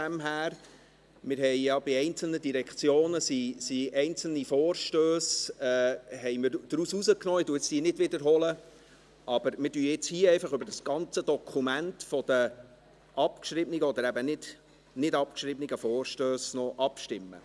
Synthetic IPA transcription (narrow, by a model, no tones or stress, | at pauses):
æmɦæːɾ | mɪɾɦɛjjɑbiɛɪnt͡sl̩nədiɾɛkt͡sjoːnəsisiɛɪnt͡sl̩nifɔːɾʃtøːsɛːɦɛɪmɪd̪̥ɾususəknɔːɪduəɪt͡sd̥iːənɪdʋɪd̪əɾɦɔlə | ʔɑb̥əɾmɪdyːɪt͡shiːɛɪfɑχʏbəɾdɑsɡ̥ɑnt͡səd̥̪ɔkʰumæntfɔd̥̪ə | ʔɑpkʃɾɪbniɡəɔd̪əɾæbənɪd̥ | nɪdɑp̚kʃɾɪbniɡəfɔːɾʃtøːsnɔʔɑpʃtɪmːə̰